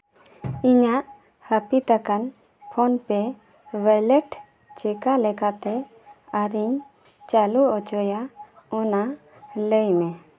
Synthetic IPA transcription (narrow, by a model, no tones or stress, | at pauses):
iɲaʔ | həpit̪akan | pʰɔnpɛ | balɛʈ | t͡ʃɛkalɛkat̪ɛ | aɾiɲ | t͡ʃaluɔt͡ʃɔjaɔna | ləjmɛ